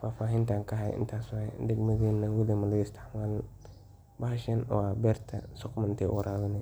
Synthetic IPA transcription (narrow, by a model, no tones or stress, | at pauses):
faːfaːɦɪnt̪ʰaːŋkʰɐɦɐj̰ʔɪ̰nt̪ʰaːswɛ̰d̪ɛɡmɐðiːnːɐwɪlimɐlɐɣɪst̪ʰɪ̥ħmaːl | bɐhɐʃɛnɔ̰ːabɛrt̪ʰɐ̰sɔkmɐnɪnt̪ʰɛːʔɔ̰ːɾaːðɐnɛ